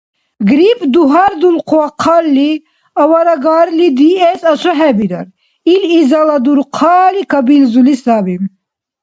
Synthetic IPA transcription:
ɡɾipd̪uɦaɾd̪ulqʰuaqʰɑlːi | ɐwɐɾɐɡɑɾlid̪iɛsɐsʰɐɦɛbiɾɐ̰ɾ | ilizalɐd̪uɾqʰɑːlikɐbilzulisabim

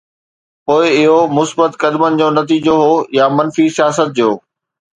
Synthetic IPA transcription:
poːɪɪɦomʊsbət̪kɐd̪mənɪ̆d͡ʑoːnɐt̪iːd͡ʑoɦoːjamɐnfisijaːsət̪̚d͡ʑoː

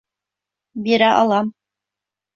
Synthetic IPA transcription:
biɾæʔɑ̰lˠɑm

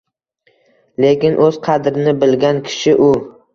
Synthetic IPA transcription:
le̞kʲɪnʔɵz̥qʰɑd̪ɾɪnɪbɪlɡʲankʲʰɪ̥ʃɪʔʊ

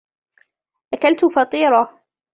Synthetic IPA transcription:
ʔakalt̪ʊfɑt̪ˤiːɾˤɑ

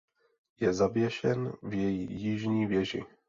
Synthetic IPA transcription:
jɛzabjɛʃɛnvjɛjijɪʒɲiːvjɛʒɪ̰

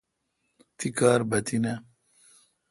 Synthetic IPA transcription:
t̪ikaːɾbɐt̪inɐ

